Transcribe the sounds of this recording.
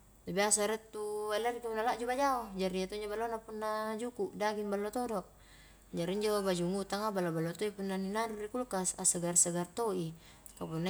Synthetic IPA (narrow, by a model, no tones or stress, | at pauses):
t̪abiasaɾɛt̪ːualaɾikapunːalaʔd͡ʒubad͡ʒaod͡ʒaɾiat̪uiɲd͡ʒobalːonapunːad͡ʒukuʔdaɡinbalːot̪odɔʔ | d͡ʒaɾiiɲd͡ʒobad͡ʒuŋut̪aŋabalobalːot̪oipunːaninaɾurikulkasasəɡarsəɡart̪oi | kapunːa